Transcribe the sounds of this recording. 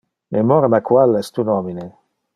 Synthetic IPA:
mʔemɔɾmakwalɛst̪unɔmine

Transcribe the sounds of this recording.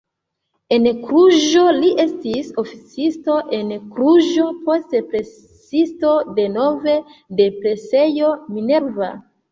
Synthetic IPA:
e̞nkɾuʒo̞liʔe̞stiso̞fit͡sisto̞ʔe̞nkɾuʒo̞po̞stepɾe̞ | isto̞de̞nove̞de̞pɾe̞se̞jo̞mine̞ɾva̰

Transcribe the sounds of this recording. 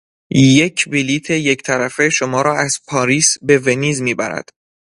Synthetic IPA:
jecʰbiliːt̪ʰeject̪ʰæɾæfe̞ʃomɒːɾɒːæz̥pʰɒːɾiːsbe̞veniːzmiːbæ̰ɾæ̰d̪̥

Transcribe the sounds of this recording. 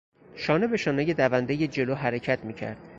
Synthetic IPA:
ʃɒːnebe̞ʃɒːneje̞d̪ævænd̪ejed͡ʒe̞loːɦæɾecʰæt̪ʰmiːcʰæ̰ɾd̪̥

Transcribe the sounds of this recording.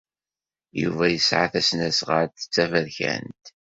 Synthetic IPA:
jṵvæjəsʕaθæsnæsʁəɾθə̥t͡sːævæɾçæ̰nt̪

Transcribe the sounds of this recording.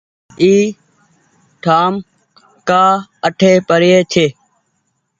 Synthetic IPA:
iː | ʈʰaːm | kaːəʈʰeːpəɾɪeːt͡ʃʰeː

